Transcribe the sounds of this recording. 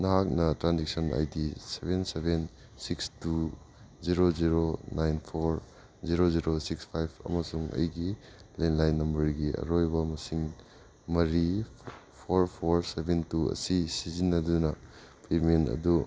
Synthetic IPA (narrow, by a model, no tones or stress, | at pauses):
nɐɦak̚nɐtɾanzik̚sɐna̰jdisebʱenseben | sikstu | ziɾoziɾonajnpʰoɾ | ziɾoziɾosikspʰajpʰɐ̰mɐsuŋɐ̰jɡilenlajnːɐmbɐɾɡiɐ̰ɾojbɐmɐsiŋ | mɐɾipʰoɾpʰoɾsebʱentuɐ̰sisizinːɐdunɐ | pementɐ̰du